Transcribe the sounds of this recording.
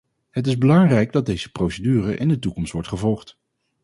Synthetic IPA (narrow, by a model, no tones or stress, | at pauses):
ɦət̬ɪzbəlɑŋrɛjɡdɑd̚dejzəprowsədyːrəʔɪ̰ndətukɔmstʋɔɹtχəvɔlˠχt